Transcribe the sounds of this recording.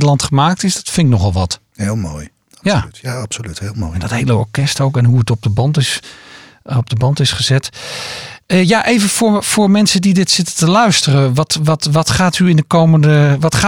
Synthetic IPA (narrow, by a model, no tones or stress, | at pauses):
dəlˠɑntχəmaːk̚tɪsdɔtfɪŋknɔχɛlˠʋɑt | helˠmo̰ːj | jaapsolythel̰ˠɛndɔthejləɔ̰ɹkɛstowkɛnɦuətɔp̚dəbɑntɪs | ɔb̚dəbɑntɪsχəzɛt | əjaʔejvəfoːfʊːɹmɛnsədidɪtsɪtətəlœɥstərəʋɔtʋɔtʋɔtχaːtyɪndəkowməndəʋɔtχa